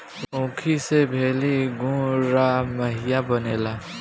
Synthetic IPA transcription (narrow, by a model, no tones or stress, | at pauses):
õːkʰisebʱeːliɡũɾamɐɦɪjabɐneːlaː